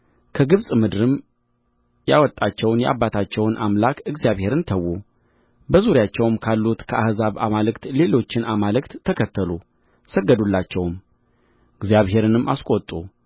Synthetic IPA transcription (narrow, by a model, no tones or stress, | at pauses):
kʰəɡɨβsʼmɨd̪ɨɾɨm | jawɔt̪ʼːat͡ʃːɛwnjɛ̰ʔa̰bːat̪ʰat͡ʃːɛwnʔamlakʰɨɡzijaβhe̞ɾɨnt̪ʰəwːu | bəzuɾjat͡ʃːɛwmkʰalːut̪kʰəahzaβamalɨkt̪le̞lo̞t͡ʃːɪnamalɨkt̪ːʰəkʰət̪ʰːəlu | səɡːəd̪ulːat͡ʃːɛwm | ɨɡzijaβɦe̞ɾɨnɨmːa̰skʼot̪ʼːu